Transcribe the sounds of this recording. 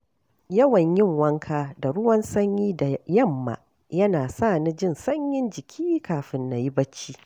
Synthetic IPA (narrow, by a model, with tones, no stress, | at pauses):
jɐ˦wɐ˨ɲjɪ˦˨ŋwɐ˦ŋkʰaː˦da˨ɽʊ˦wɐ˦nsɐ˦ɲjiː˦da˨jɐ˦˨mːa̰˨ | jɐ˦naː˨saː˦˨ni˦d͡ʒɪ˦˨nsɐ˦ɲjɪ˦nd͡ʒɪ˨kʲʰiː˦kaː˨ɸɪ˨nːa˨ji˦bɐ˦t͡ʃːiː˦